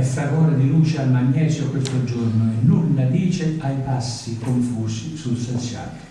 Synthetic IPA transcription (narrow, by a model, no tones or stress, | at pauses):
ɛsakɔːɾad̪iluːt͡ʃealmaɲːɛːsjokwest̪od͡ʒornoenːunːad̪iːt͡ʃeajpasːikoɱfuːsisulsensja̰ːl